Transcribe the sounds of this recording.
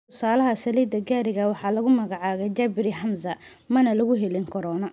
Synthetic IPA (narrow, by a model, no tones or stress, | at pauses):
t̪ʊsaːlɐɦɐsɐliːd̪ɐɡaːɾɪɣɐwɑħɑːlɐɣʊmɐɣɑʕɑːɣɛt͡ʃɐbɾɪɦɐmsɐ | mɐnɐlɐɣʊɦɛlɪŋkʰɔɾɔːnɐ